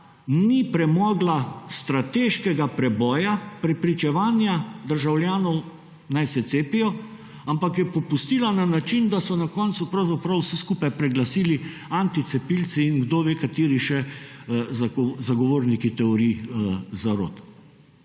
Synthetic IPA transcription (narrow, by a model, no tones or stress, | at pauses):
nipɾɛmɔːɡlast̪ɾat̪eːʃkɛɡapɾɛbɔːjapɾɛpɾit͡ʃɛʋaːnjad̪əɾʒawljaːnɔw | najsɛt̪seːpijɔ | ampakjɛpɔpust̪ilananat͡ʃind̪asɔnakɔntsupɾawzapɾawsɛskuːpajpɾɛɡlasiːli | ant̪it̪sɛpilsiːnɡd̪oːʋeːkat̪iːɾiʃɛ | zaɡɔʋoːɾnikit̪ɛɔɾizaɾo̰ːt̪